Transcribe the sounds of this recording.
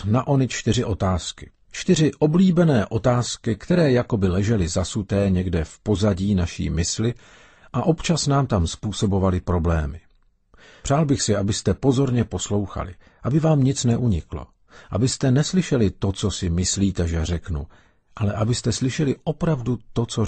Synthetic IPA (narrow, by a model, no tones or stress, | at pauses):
naʔo̞nɪt͡ʃt̪ɪrɪʔo̞t̪aːskɪ̥ | t͡ʃt̪ɪr̝ɪʔo̞bliːbɛnɛːʔo̞t̪aːskɪkt̪ɛɾɛːjako̞bɪlɛʒɛlɪzasut̪ɛːɲɛɡdɛfpo̞zaɟiːnaʃḭːmɪslɪ | ʔaʔo̞pt͡ʃasnaːmt̪amspuːso̞bo̞valɪpɾo̞blɛ̰ːmɪ | pr̥aːlbɪxsɪabɪst̪ɛpo̞zo̞ɾɲɛpo̞slo̞wxa̰lɪ̰ | ʔabɪvaːmɲɪt͡snɛʔuɲɪklo̰ | ʔa̰bɪst̪ɛnɛslɪʃɛlɪt̪o̞t͡so̞sɪmɪsliːt̪ɛʒɛrɛknṵ | ʔalɛʔabɪst̪ɛslɪʃɛlɪʔo̞pɾavdut̪o̞t͡so̞